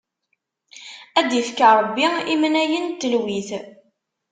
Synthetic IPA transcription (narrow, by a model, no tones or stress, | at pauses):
æd̪jəfkaɾˤəbːiimnæjənt̪ːəlwiθ